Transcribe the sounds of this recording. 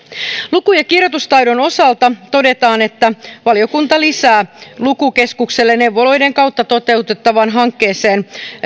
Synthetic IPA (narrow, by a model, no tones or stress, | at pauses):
lukujɑkirjot̪ust̪ɑjdo̞no̞sɑlt̪ɑt̪o̞de̞t̪ɑːne̞t̪ːæʋɑlio̞kunt̪ɑlisæːlukuke̞skukselːenne̞wʋːo̞lo̞jde̞ŋkɑwt̪ːɑt̪o̞t̪e̞ut̪et̪ːɑʋɑnɦɑŋkːe̞ːse̞ːn